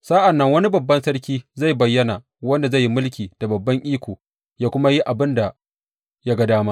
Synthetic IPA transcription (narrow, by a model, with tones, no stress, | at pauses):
sa˦ʔa˨nːɐ˦ŋwɐ˦ni˦bɐ˨bːɐ˦nsɐ˦ɽkʲiː˦za˦˨jbɐ˨jːɐ˦na˨ | wɐ˦nda˨za˦˨jːi˦mʊ˦lk̬ʲiː˨d̥a˨bɐ˨bːɐ˦ŋʔiː˦kʷoː˨ | jaː˦kʷʊ˦ma˦ji˦ʔa˨bɪ˦nda˨ | ja˦ɡɐ˦daː˦ma˦